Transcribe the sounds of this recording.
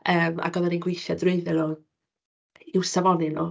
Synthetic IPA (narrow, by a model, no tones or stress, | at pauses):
əːma̰ɡɔðɛninɡwɪjʃjadrɪɨðɛlˠɔ | ɪwsavɔnɪnɔ